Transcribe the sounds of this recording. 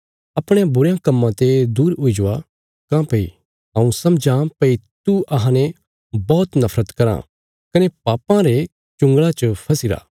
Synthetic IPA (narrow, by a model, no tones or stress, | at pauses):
ɐpɽ̃ejãbʊɾjãkɐmːãt̪ed̪uːɾʊid͡ʒʊa | kãpɐḭ | ɦɐ̃ũsɐ̃md͡ʒãpɐit̪uʔɐɦãnẽ | bɔːt̪nɐfʰɾət̪kɐɾã̰ | kɐnepaːpãɾe | t͡ʃʊ̃ŋɡɭat͡ʃəpʰɐsɪɾa̰ː